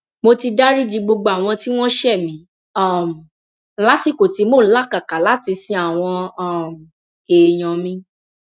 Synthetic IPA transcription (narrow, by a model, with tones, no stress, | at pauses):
mo˧ti˧da˦ɾi˦d͡ʒi˧ɡ͡bo˧ɡ͡bo˧a˨w̃ɔ̃˧ti˦w̃ɔ̃˦ʃɛ˦˨mĩ˨˦ | ɔ˦˨m˨ | la˦si˦˨ko˨ti˨˦mo˦˨˦la˦ka˨ka˨la˨˦ti˧sĩ˧a˨w̃ɔ̃˧˦˨m̩˨ | eː˨j̃ɔ̃˧mĩ˧˦